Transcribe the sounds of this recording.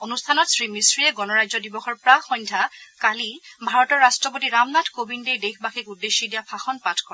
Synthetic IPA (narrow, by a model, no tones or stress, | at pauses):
onustʰanɔtsɹimisɹiɛɡɔnɔɹajzɔdibɔxɔɹpɹaxɔjɲndʰʱakalibʱaɹɔtɔɹːastɹɔpotiɹamnatʰkobindejdexbaxikudːeʃːidijapʰaxɔnpatʰkɔɹɛ